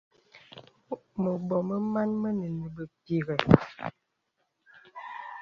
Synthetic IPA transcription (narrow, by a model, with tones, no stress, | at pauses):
mə˨bɔ˨mə˦ma˦nmə˦nə˨nə˨bə˨pi˨ɣə˨